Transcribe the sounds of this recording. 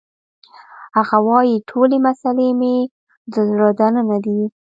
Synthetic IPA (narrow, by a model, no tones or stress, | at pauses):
haɣawɑjiʈʰolemasaleme | d̪əzɾɑd̪anənad̪i